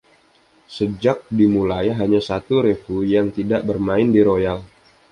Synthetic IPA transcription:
səd͡ʒak̚dimulajɦaɲasat̪uɾefujaŋt̪idaʔbərmaɪndiɾojal

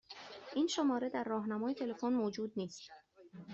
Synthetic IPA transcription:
ʔiːnʃomɒːɾe̞d̪æɾːɒːɦnæmɒːjet̪ʰe̞lefonmoːd͡ʒuːd̪̚niːst̪

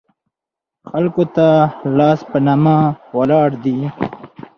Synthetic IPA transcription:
xalkot̪alɑːspənamawalɑːɽd̪i

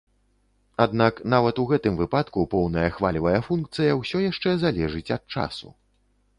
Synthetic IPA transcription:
ad̪naknavɐt̪uɣɛt̪ɨmvɨpat̪kupɔwnɐjɐxvalʲivɐjɐfunk̚t̪sɨjɐwsʲɔjaʂt͡ʂɛzalʲɛʐɨt͡sʲɐt̪̚t͡ʂa̰sṵ

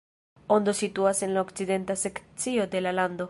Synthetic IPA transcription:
ond̪osit̪uase̞nlaokt͡side̞nt̪asekt͡siod̪e̞laland̪o̞

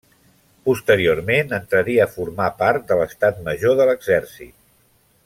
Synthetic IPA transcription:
pust̪əɾiormenənt̪ɾəɾiəːfuɾmapaɾt̪̚d̪ələst̪at̪̚məʒoðələɡzɛrsḭt̪̚

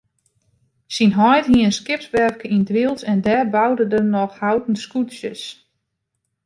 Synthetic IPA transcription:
sinɦɔjtɦiənskɪpsʋɛrkəindʋilˠsɛndɛːrbawdədənɔxhawtən̩skutsjə̰s

